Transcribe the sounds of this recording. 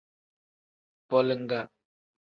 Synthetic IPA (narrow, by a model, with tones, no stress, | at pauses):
pɔ˨lə˨ŋ˦ɡa˨